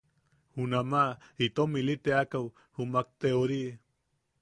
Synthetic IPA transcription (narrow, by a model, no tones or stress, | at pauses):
hunamait̪omilit̪eakaw | humak̚t̪eoɾi